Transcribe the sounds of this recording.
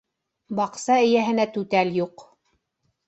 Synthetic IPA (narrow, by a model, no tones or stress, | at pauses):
bɑqsɑɘ̆jæɦɘ̆næt̪ʉt̪æljuq